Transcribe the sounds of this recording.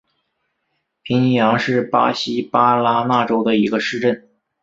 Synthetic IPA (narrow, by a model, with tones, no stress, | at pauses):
pʰi˧˥ŋi˧˥ŋjɑ˧˥ŋʂɻ̩˥˩pa̰˥ɕi˥pa˥la˥na˥˩ʈ͡ʂo˥ʊd̪ə˨i˧˥ɡə˧ʂɻ̩˥˧ʈ͡ʂə˥˩n